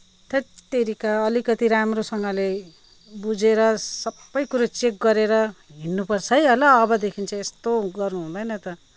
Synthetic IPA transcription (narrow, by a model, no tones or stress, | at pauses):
t̪ʰʌt̪eɾikaʌlikʌt̪iɾamrosʌŋɡʌle | bud͡zeɾʌsʌbːʌjkuɾat͡sek̚ɡʌɾeɾʌɦinːupʌrt͡sʰʌjʌlʌːbʌd̪ekʰint͡sʰʌest̪oɡʌrnuɦũd̪ʌjnʌt̪ʌ